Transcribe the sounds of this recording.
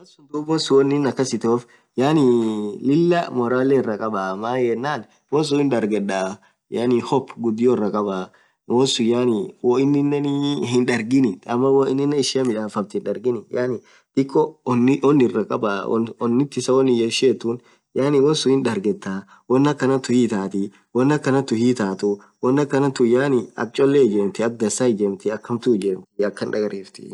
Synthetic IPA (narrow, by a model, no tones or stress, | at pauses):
wɐsʊnd̪ubɔnsʊwɔnːɪnːɐkːɐsɪt̪oːf | jaːnɪlɪlːɐmɔɾaːlːɛɪrɐkʼɐbaːmaːjɛnːaːn | wɔns̬ʊɪndɐɾɡɛᶑaː | janɪhɔpːɡʊd̪ːɪjɔɪrːɐkʼɐbaː | wɔnsʊjaːnɪwɔɪnːɪnːɛnhɪnᶑɐɾɡɪnɪɐmːɐwɔɪnːɪnːɛɪʃɪɐmɪᶑaːfɐbt̪ɪnᶑɐɾɡɪnɪjaːnɪ | t̪ɪkːɔnɪʔɔnːɪrːɐkʼɐba̰ɔnːɪt̪ːɪsɐwɔnːɪjɐʃeːt̪ːʊn | jaːnɪwɔnsʊhɪnᶑɐɾɡɛt̪ːa | wɔnːɐkːɐnɐt̪ʊhiːt̪aːt̪ɪ | wɔnːɐkːɐnɐt̪ʊhiːt̪aːt̪ʊ | wɔnːɐkːɐnɐt̪ʊjaːnɪɐ̰k̚t͡ʃʼɔlːed͡ʒɛmt̪ɪɐk̚d̪ɐsaɪd͡ʒɛmt̪ɪɐkːɐmt̪ʊd͡ʒɛmt̪ɪɐkːɐnᶑɐɡɐɾeːft̪ɪ̥̰